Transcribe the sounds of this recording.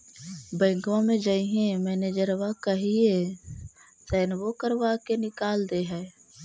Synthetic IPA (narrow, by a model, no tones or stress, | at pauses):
bə̃ɪŋɡʋãmẽd͡ʒəiɦẽmɛːned͡ʒəɾʋakəɦie | sɛːnwokəɾʋakenɪkaːld̪eɦɛː